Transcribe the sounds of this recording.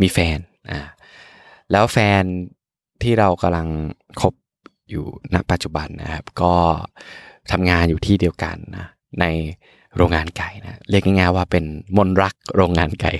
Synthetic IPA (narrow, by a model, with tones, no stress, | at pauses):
miː˧fɛː˧n | ʔaː˨˧˩ | lɛː˦˥wfɛː˧n | t̪ʰiː˥˩ɾa˧wka˧mla˧ŋ | kʰo˦˥p̚ | jṵː˨˩na˦˥ʔpa˨˩t̪̚t͡ɕu˨˩ba˧nːa̰˦˥kʰa˦˥p̚kɔː˥˩ | t̪ʰa˧mŋaː˧njuː˨˩t̪ʰiː˥˩di˧əwka̰˧nːa̰ː˦˥ | a˧j | ɾoː˧ŋaː˧nka˨˩jna̰˦˥lɯ˥˩ək̚ŋa˥˩jŋaː˥˩jwaː˥˩pe˧nmo˧nɾa˦˥k̚ɾoː˧ŋːaː˧nka̰˨˩j